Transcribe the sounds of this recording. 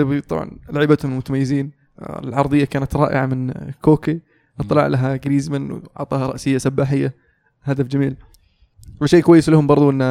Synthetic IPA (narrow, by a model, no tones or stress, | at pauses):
bt̪ˤɑ̰bʕɑ̰nlaʕɪːbat̪hʊmɪlmʊt̪amajːɪziːn | lʕɑɾˤd̪ˤɨjːakaːnat̪ɾˤɑ̰ːʔɪ̰ʕa̰mɪnkoːki | ʔɨt̪ˤːɨlɑ̰ʕlʔaɦaɡɾiːzmanwɑ̰ʕt̪ˤɑːhɑɾˤɑ̰ʔsɪjːasabːaːħɪjːa | had̪afd͡ʒamiːl | wɪʃeːkwajːɪslahʊmbɑɾˤðˤuʔɪnː